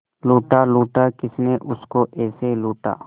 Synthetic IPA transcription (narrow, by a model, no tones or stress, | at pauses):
luːʈaːluːʈaːkɪsneʔʊskoʔɛːseluːʈa̰ː